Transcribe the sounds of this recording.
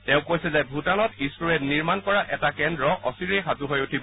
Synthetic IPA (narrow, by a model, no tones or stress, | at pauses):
tɛʊ̃kojsɛzɛbʱutanɔtistuɹɛtniɹmankɔɹaʔɛtakɛndɹɔʔɔsiɾejxatuɦojutʰibɔ